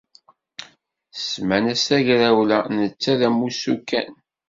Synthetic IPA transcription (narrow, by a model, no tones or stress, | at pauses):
smænæsæʝɾæwlænət͡sːæðæmːusukːæ̰n